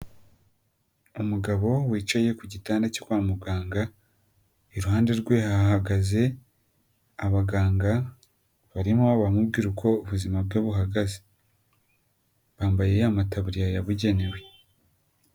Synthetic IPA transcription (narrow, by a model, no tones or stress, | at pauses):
umuɡaβo̞wiːt͡ʃaje̞kuɟitaːndacokwaːmuɡaːŋɡa | iɾuhaːnde̞ɾɡwe̞hahaɡaze̞ | aβaɡaːŋɡa | βaɾimuaβamubɡiːɾukʰo̞uβuzimab̚ɡoːβuɦaɡaze̥ | βaːmbaje̞jamataβuɾijajaβuɟe̞newe̞